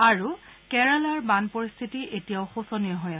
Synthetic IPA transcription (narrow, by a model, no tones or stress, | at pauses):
aɹukɛɹalaɹbanpɔɹist̪ʰitiʔetijaʊxosɔnijɔɦɔja